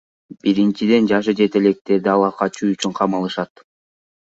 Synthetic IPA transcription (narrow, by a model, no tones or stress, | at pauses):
b̥iɾint͡ʃid̪e̞nd͡ʒɑʃɯd͡ʒe̞t̪e̞le̞k̚t̪e̞ɾd̪iɑlˠɑqɑt͡ʃuyt͡ʃyɴqʰɑmɑlˠɯʃɑt̪